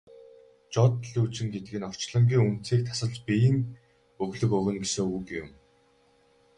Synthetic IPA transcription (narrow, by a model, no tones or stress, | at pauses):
t͡ɕɔt̪ɮuːt͡ɕɪ̆ŋɡet̪ɘ̆ɘ̆nɔr̥t͡ɕɮə̆mɡʲiːŋun̥t͡siːk̚t̪ʰḁsə̆ɮt͡ɕpijɘ̆ŋ | ɵɣɮɵ̆kɵɣɘ̆nɡesoːujɡjʊ̰m